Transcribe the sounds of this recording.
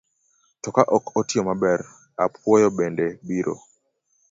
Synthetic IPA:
tɔkaʔɔkɔtɪɔmabɛɾ | apwɔjɔbɛndɛbiɾo̰

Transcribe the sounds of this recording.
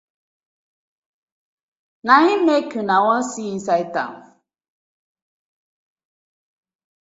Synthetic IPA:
naɦĩmekunawɔ̃nsiĩnsaita̰ŋ

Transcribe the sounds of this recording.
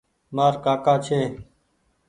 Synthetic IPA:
maːɾkaːkaːt͡ʃʰeː

